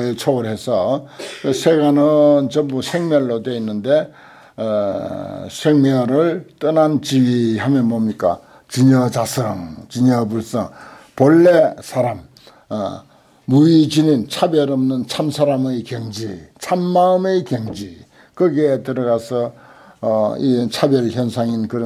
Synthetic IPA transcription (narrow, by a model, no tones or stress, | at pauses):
et͡ɕʰoɡɯɾɦe̞sʰʌ | sʰeɡanɯnt͡ɕʌmbusʰeŋmjʌɭːodweinːɯnde̞ | sʰeŋmjʌɾɯɭt͈ʌnant͡ɕihamjʌnmʌmɲik͈a̰ | t͡ɕiɲʌt͡ɕasʰʌŋt͡ɕiɲʌbuɭs͈ʌ | pʌɭːesʰaɾam | uit͡ɕinint͡ɕʰabjʌɾʌmnɯnt͡ɕʰamsʰaɾamɯjkjʌŋd͡ʑit͡ɕʰamːaɯmɯjkjʌŋd͡ʑi | kɯɡetɯɾʌɣasʰʌː | it͡ɕʰabjʌlçjʌnsʰaŋinkɯɾ